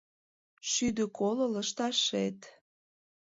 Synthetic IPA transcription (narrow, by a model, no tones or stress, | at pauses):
ʃyd̪ə̆kolə̆ləʃt̪ɑʃet̪